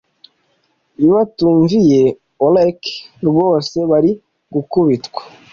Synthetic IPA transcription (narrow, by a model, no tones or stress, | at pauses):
iβatuːɱvije̞ | olekɾɡoːse̞βaɾi | ɡukuβitkwḁ